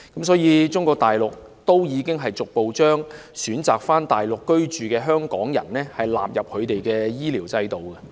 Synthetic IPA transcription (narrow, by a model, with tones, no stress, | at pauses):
kkɐ˨˥msɔː˨˥jiː˨˧t͡sʊ˥ŋkɔː˧k̚t̪aː˨jlʊ˨k̚ | t̪o˥wjiː˨˧kɪ˥ŋɦɐ˨jt͡sʊ˨k̚po˨wt͡ʃœː˥ŋ | syː˨˥nt͡saː˨k̚faː˥nt̪aː˨jlʊ˨kːɵ˥ɥt͡ʃyː˨kɛː˧ɦœː˥ŋkɔ̰ː˨˥ŋjɐ̰˨˩nnɛː˥hɐ˨jla̰ː˨p̚jɐ˨p̚kʰɵ˨˧ɥt̪e˨jkɛː˧jiː˥liː˨˩wt͡sɐ˧jt̪o˨wkɛ˧